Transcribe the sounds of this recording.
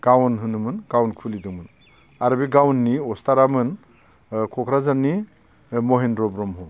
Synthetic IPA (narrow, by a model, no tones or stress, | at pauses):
ɡ̥awnɦɯnɯmɯnɡ̥awnkʰulidɯŋmɯn | aɾbiɡawnːiɔstaɾamɯn | kʰɔkʰɾazanːi | mɔɦendɾɔbɾɔmɦɔ